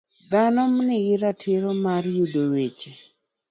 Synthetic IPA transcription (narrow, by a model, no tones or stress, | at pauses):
ɡanɔmnɪɡɪɾatʰɪɾɔmarjudowet͡ʃe